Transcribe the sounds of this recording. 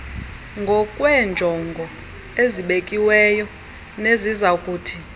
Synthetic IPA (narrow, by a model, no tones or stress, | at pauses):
ŋɡʱɔkʼwɛnd͡ʒʱɔŋɡʱɔ | eziɓekʼiwɛːjɔ | nezizaukʼuːtʰi